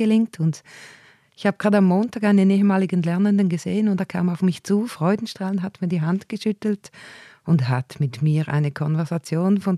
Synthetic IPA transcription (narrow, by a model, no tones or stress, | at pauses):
əlɪŋk̚tʰʊnd | ɪçhaːbəɡ̥ʁaːdamːoːntaːɡaɪnəneːɦəmaːlɪɡənlɛɐnəndənɡəz̥eːənʊntd̥aːkʰa̰ːmaʊfmɪçt͡suːfʁ̥ɔʏdn̩ʃtʁ̥aːlənɦatmiːɐdiːɦantɡ̥əʃʏtl̩tʊntha̰tmɪtmiːɐʔa̰ɪnəkʰɔnvɛɐzat͡sjoːnfɔn